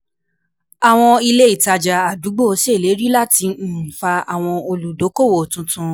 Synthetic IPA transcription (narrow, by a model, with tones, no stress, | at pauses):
a˨w̃ɔ̃˧i˧le˦i˦˨ta˧d͡ʒa˨a˨du˨˦ɡ͡bo˦˨o˧˦se˦˨le˨˦ɾi˦la˦ti˧˦˨fa˧a˨w̃ɔ̃˧o˧lu˨do˨˦ko˦˨wo˨tũ˧tũ˧